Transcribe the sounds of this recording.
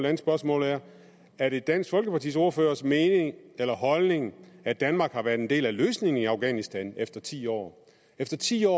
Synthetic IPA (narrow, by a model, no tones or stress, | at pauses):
lænəsb̥ɶɐsmɔ̰̽ːlæɐ | æɐɾ̥e̝d̥æn̰sɡ̥fɒ̽lɡ̥əpɑ̈t͡sʰḭːso̝ɐføːɐsme̝ːne̝ŋelɐɦɒ̽lne̝ŋæd̥ænmɑ̈ːɡ̥hɑ̈ʋæɐd̥end̥e̝̰ːlæløːsne̝ŋn̩iɑ̈ʊɡ̥ænisd̥ænefd̥ɐt͡sʰḭːɒ̰ː | efd̥ɐt͡sʰḭːɒ̰ː